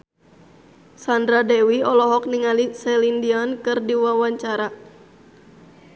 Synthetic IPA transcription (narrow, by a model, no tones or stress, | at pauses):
sandɾadɛwiɔlɔɦɔk̚niŋalisɛlindiɔnkɨrdiwawaɲt͡ʃaɾa